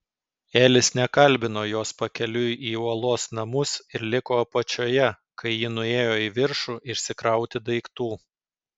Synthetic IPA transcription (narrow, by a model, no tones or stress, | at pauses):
eːlʲɪsnʲɛkɐlʲˑbʲɪnoːjoːspɐkʲɛlʲʊjiːuɔlˠoːsnɐmʊsɪɾlʲɪkoːpɐt͡ʃʲoːjɛ | kɐɪjɪnʊeːjoːɪʋʲɪɾʃuːʔɪʃʲsʲɪkɾɐʊt̪ʲɪd̪ɐɪkt̪uː